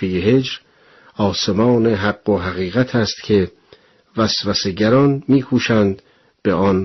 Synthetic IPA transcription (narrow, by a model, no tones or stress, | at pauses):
ejeɦe̞d͡ʒɾ | ɒːsemɒːneɦæɡːoɦæɣiːɣæt̪ʰæst̪kʰe̞ | væsvæseɟæɾɒnmiːkʰuːʃænd̪ | b̥eɒn